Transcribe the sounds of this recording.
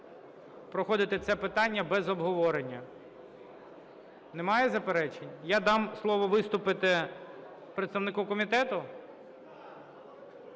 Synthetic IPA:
pɾɔxɔd̪ɪt̪ɛt̪sɛpɪt̪ɑnʲːɐbɛzɔbɦɔʋɔɾenʲːɐ | nemɑjɛzɐpeɾɛt͡ʃenʲjad̪ɑmslˠɔʋɔʋɪst̪ʊpɪt̪ɪ | pɾet̪st̪ɐʋnɪkukɔmʲit̪ɛt̪ʊ

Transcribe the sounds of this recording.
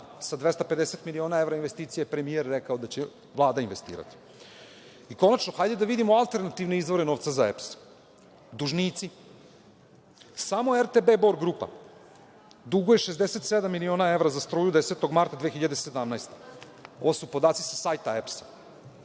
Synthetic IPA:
sad̪ʋest̪ape̞d̪eset̪milio̞ːnae̞vɾainʋest̪iːt̪sijapɾe̞mieɾːekaod̪at͡ɕe | ʋlˠaːd̪ainʋe̞st̪ḭːɾa̰t̪i̥ | iko̞nat͡ʃnoxajd̪ed̪aʋid̪imoalˠt̪e̞ɾnat̪iʋne̞izvʋo̞ɾeno̞ːʋt̪sazaeps | d̪uʒniːt̪si | saːmo̞eɾt̪ebe̞boɾɡɾupa̰ | d̪uɡojeʃezd̪eset̪sed̪amːilio̞ːnae̞ʋɾazast̪ɾoːjud̪eset̪oɡmaɾt̪ad̪vexiʎad̪ese̞d̪amnajst̪e | o̞ʋosupo̞d̪aːt̪si̥sasajt̪aepsḁ

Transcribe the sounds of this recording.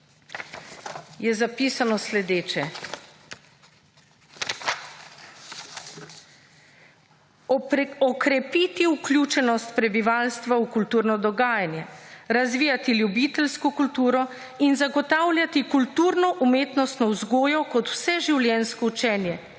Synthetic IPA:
jɛzapiːsanɔslɛd̪eːt͡ʃɛ | ɔkɾɛpit̪iuklʲjut͡ʃɛnɔst̪̚pɾɛbiʋaːlst̪ʋawkult̪uːɾnɔd̪ɔɡaːjanjɛɾazʋiːjat̪iljubiːt̪ɛlskɔkult̪uːɾɔ | inzaɡɔt̪aːwlʲjat̪ikult̪uːɾnɔʔumeːt̪nɔst̪nɔwzɡoːjɔkɔt̪w̥sɛʒiwlʲjɛnskɔut͡ʃɛːnjɛ

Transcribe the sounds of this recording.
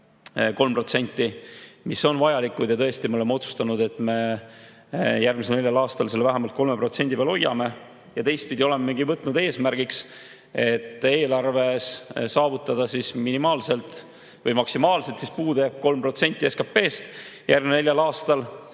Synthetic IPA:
ko̞lmpro̞t̪se̞nʲt̪ˑːimisːo̞nvɑjɑlikːˑud̪̥jɑt̪ɤ̞est̪imeo̞le̞meo̞t̪su̥st̪ɑnud̪e̞t̪ːˑme̞ | jærɡmiseneljɑlɑːst̪ɑlse̞lːvæɦemɑlt̪̚ko̞lme̞pro̞t̪se̞nʲd̪ipeɑlo̞jːɑ̰me̞ | jɑt̪e̞jst̪̚pid̪ʲio̞le̞mɑmiŋɡivɤt̪ːˑnud̪̥e̞ːsmærɡ̥iks | e̞t̪ːˑeːlɑrve̞ssɑːvut̪ːˑɑd̪̥ɑsisminimɑːlse̞lt̪ˑ | vɤjmɑksimɑːlse̞lt̪sispuːd̪eb̚ko̞lmpro̞t̪se̞nʲt̪ʲˑːieskɑpːe̞ːst̪jʔæɾrɡminene̞lʲjɑlɑːst̪ɑl

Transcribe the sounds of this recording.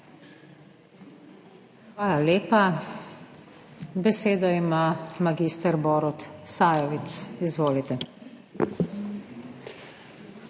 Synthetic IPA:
xʋaːlaleːpa | bɛseːd̪ɔimamaɡist̪ɛɾbɔːɾut̪saːjɔʋit̪sizʋoːlit̪ɛ

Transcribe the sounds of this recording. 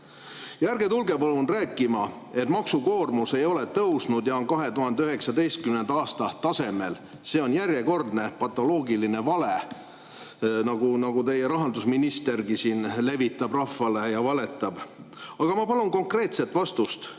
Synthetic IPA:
jærɡ̥e̞t̪ulɡe̞pɑlunræːkˑːimɑ | e̞t̪ːmɑksuko̞ːrmuse̞jo̞let̪ɤwsnud̪jɑonkɑɦe̞t̪uɦɑnd̪eyɦe̞ksɑd̪e̞jst̪̚kymnend̪ɑɑːst̪ɑt̪ɑse̞mel | se̞ːo̞njæɾrje̞ko̞rd̪ne̞pɑt̪ːˑo̞lo̞ːɡiline̞vɑle̞ | nɑɡ̥unɑɡ̥ut̪e̞jːeɾɑɦɑnd̪usminist̪e̞rɡ̥isiːnle̞vit̪ˑːɑbrɑfːɑlejɑvɑle̞t̪ːˑɑb̥ | ɑɡ̥ɑmɑpɑlunko̞ŋkre̞ːt̪se̞t̪ːvɑst̪ust̪

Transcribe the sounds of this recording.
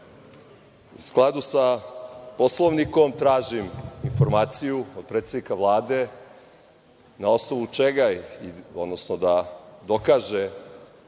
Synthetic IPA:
ṵsklˠad̪usaposlˠoʋniko̞mt̪ɾaːʒiminfoɾmaːt̪sijuod̪̚pɾet̪sed̪nikaʋlˠaːd̪e | nao̞snoʋut͡ʃeɡaiod̪nosnod̪ad̪o̞kaːʒe

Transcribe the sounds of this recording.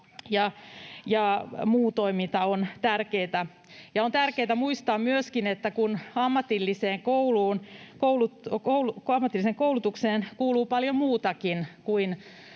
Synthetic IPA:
jɑjɑmuːt̪oimint̪ɑont̪ærkeːt̪æ | jɑont̪ærkeːt̪æmuist̪ɑːmmyøskinet̪ːækunɑmːɑt̪ilːiseːŋkouluːnkoulutoulukɑmːɑt̪ːˑiliseŋkoulut̪ukseːnkuːluːpɑljomuːt̪ɑkinkuin

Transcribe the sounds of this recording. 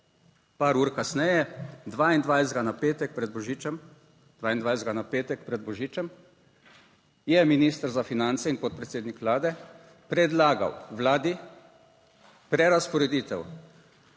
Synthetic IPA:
paːɾuːɾkasnɛjɛd̪ʋaːind̪ʋajɛzɡanapeːt̪ɛk̚pɾɛd̪̚bɔʒiːt͡ʃɛm | d̪ʋaːind̪ʋajszd̪ɡanapeːt̪ɛkpɾɛd̪̚bɔʒiːt͡ʃɛm | jɛminiːst̪əɾzafinant̪sɛinpɔt̪̚pɾɛt̪seːd̪nikʋlaːd̪ɛ | pɾɛd̪laːɡa̰wʋlaːd̪i | pɾɛɾaspɔɾɛd̪iːt̪ɛw

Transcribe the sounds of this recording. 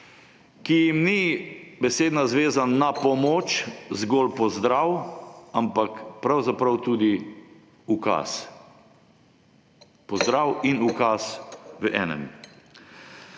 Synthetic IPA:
kijimnibɛseːd̪nazʋeːzanːapɔmoːt͡ʃzɡoːlpɔzd̪ɾawampakpɾawzapɾawt̪uːd̪i | uka̰s | pɔzd̪ɾaːwinukasʋəʔɛ̰ːnɛ̰m

